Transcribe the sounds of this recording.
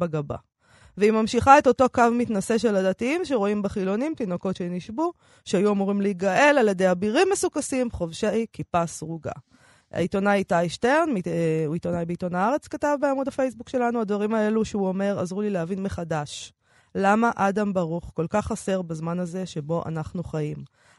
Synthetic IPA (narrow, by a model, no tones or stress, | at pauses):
baɡaba̰ | veimamʃiχae̞t̪o̞to̞kavmitnase̞ʃe̞ladatiimʃ̬eʁo̞imbaχilo̞nimt̪ino̞ko̞tʃeiniʃbu | ʃeajuamuʁimleiɡae̞laljed̪e̞jabiʁimːe̞sukasimχo̞vʃejkipasʁuɡa̰ | a̰ito̞naajtaiʃte̞ʁnmiuito̞najbeito̞naaʁe̞t͡skatavbeamudafe̞jsbukʃe̞lanuad̪vaʁimae̞luʃeuome̞ʁazʁulileavinmeχadaʃ | lamaʔad̪ambaʁuχko̞lkaχase̞ʁbazmanaze̞ʃebo̞ʔa̰naχnuχaim